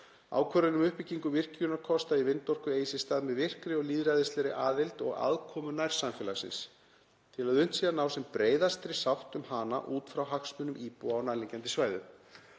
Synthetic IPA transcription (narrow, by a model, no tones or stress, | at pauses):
a̰ːwkʰvœɾʏnʏmʏhpɪcːiŋkʏvɪr̥cʏnakʰɔst̪aivɪnt̪ɔr̥kʏeːjsɪst̪aːðmɛðvɪr̥kɾɪɔɣliːðɾaːjðɪst̪ɛɾɪʔaːðelt̪ɔ̰ɣa̰ðkʰɔːmʏnajɾ̥samfjɛːlasɪ̰ns | t̪ʰɪlaðʏn̥t̪siːðanawsɛmpɾeːjðast̪ɾɪ̥sawht̪ʏmɦaːna̰ʔuːt̪fɾawɦaksmʏnʏmʔiːpuawnaðliŋcɛnt̪ɪsvaːjðʏ